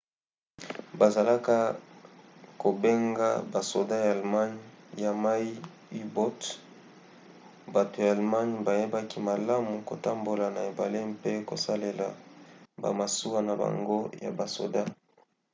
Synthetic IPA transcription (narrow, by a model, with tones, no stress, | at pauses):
ba˨za˨la˦ka˦ | ko˨be˦ŋɡa̰˦ba˨so˨da˦jaː˨lma˦ɲ˦ja˨ma˦i˦ | i˦bo˦t | ba˨to˨ja˨a˨lma˦ɲba˨je˦ba˦ki˦ma˨la˦mu˨ko˨ta˦mbo˨la˨na˨e˨ba˨le˦mpe˦ko̰˨sa˦le˨la̰˨ba̰˨ma˨su˦a˦na˨ba̰˨ŋɡo˦ja̰˨ba˨so̰˨da˦